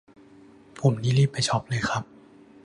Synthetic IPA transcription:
pʰo˨˩˦mniː˦˥liː˥˩pːa˨˩jt͡ɕʰɔ˦˥p̚lɤː˧jxʰɾa˦˥p̚

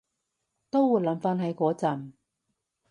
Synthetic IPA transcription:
t̪o˥wwu˨˧˥jlɐ˨˧˥mfaː˥nɦɐ˨˧jkɔː˨˥t͡sɐ˨˩n

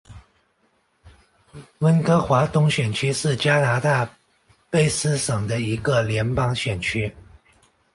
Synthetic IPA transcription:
wə˥nkɤ˥xwa˧˥t̪ʊ˥ŋɕɥɛ˨˩nt͡ɕʰy˥ʂɻ̩˥˩t͡ɕja˥na˧˥t̪a˥˩ | pe˥˩ɪsɹ̩˥ʂɤ˨˩ŋd̪ə˦i˧˥ɡə˧ljɛ˧˥npɑ˥ŋɕɥɛ˨˩nt͡ɕʰy˥

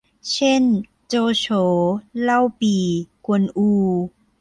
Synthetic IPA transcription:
t͡ɕʰe˥˨n | t͡ɕoː˧t͡ɕʰoː˨˦la˥˩˨wpiː˨˩ku˧˩ənʔuː˧

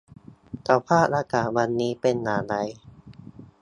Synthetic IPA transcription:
t̪a˧˩wpʰaː˥˩t̚ɾaː˧kaː˨˩wa˧nːiː˦˥pe˧nːaː˨˦la˧j

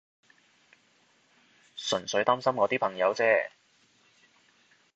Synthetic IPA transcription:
sɵ˨˩nsɵ˨˧ɥt̪aː˥msɐ˥mkɔː˨˧t̪iː˥pʰɐ˨˩ŋjɐ˨˧wt͡sɛː˥

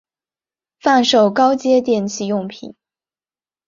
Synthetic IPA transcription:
fa˥˩nʂo˥˩ʊkɑ˥ʊt͡ɕjɛ˥t̪jɛ˥˩nt͡ɕʰi˥˧jʊ˥˩ŋpʰḭ˨˩˦n

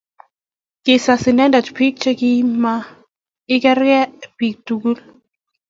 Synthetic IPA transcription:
kɪ˨sa˨sɪ˨nɛ˦nda˨t͡ʃpi˦k̚t͡ʃɛ˦ki˦ma˦ | ɪ˦kɛ˦ɾkɛ˦pi˨k̚tu˨ɡu˦l

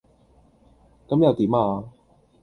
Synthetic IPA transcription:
kɐ˨˥mjɐ˨˧wt̪iː˨˥maː˧

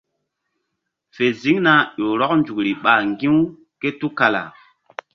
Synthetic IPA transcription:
fe˨zi˦ŋna˦ʄo˨ɾɔ˦k̚nd͡ʒu˨kɾi˨ɓa˨ŋɡĩ˦w | ke˦tu˦ka˨la̰˨

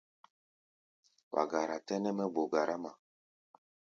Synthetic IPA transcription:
wa̰˨ɡa˨ɾa˨tɛ˦nɛ˦mɛ˦bo˨ɡa˨ɾa˦ma˨

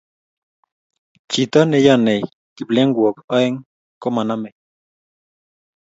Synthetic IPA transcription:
t͡ʃi˨t̪a˦ne˨ja˦ne˨j | ki˨ple˦ŋɡwo˨ka˦e˦ŋ | ko˦ma˨na˦me˨

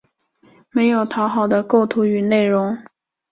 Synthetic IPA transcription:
me˧˥ɪjo˨˩ʊt̪ʰɑ˧˥ʊxɑ˨˩ʊd̪ə˦ko˥˩ʊt̪ʰu˧˥y˨˩ne˥˩ɪɻʊ˧˥ŋ

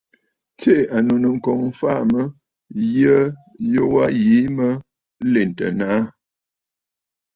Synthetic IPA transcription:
t͡se˦˨a˨no˨nə˨ŋ̩˨kɔ˨ŋ̩˦fa˦˨mə˦ | jə˦jo˦wa˦je˨˦mə˦ | le˨n˨tə̰˨na˨˦

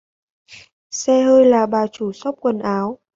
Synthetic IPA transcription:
sɛ˧ɦəː˧jlaː˨˩ɓaː˨˩t͡ɕu˧˩sa˦˥wk͡p̚kwə˨˩nʔaː˨˦w

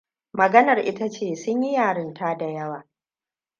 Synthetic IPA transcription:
mɐ˨ɡɐ˦nɐ˨rʔɪ˦ta˦t͡ʃeː˦˨sʊ˦ɲji˦jaː˨ɽɪ˦ntaː˦da˨jɐ˦waː˨

